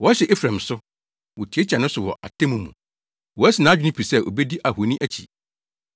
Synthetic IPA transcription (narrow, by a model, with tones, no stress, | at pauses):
wɔ˨˦ɕɛ˨ʔe˦fɾã˨m˨sʊ˦ | wɔ˨tʰi˨˦e˦t͡ɕʰa˨nʊ̃˦sʊ˨wɔ̰˨ʔa̰˨tʰẽ˦mũ˨˦mṵ̃˨ | wɔ˨æ˦sɪ˨nã˨˦d͡ʑᶣɪ˦nĩ˦pʰi˨sɛ˦ʔo̰˨bɛ˦di˦ʔa˨hu˨nĩ˦ʔæ˨t͡ɕʰḭ˨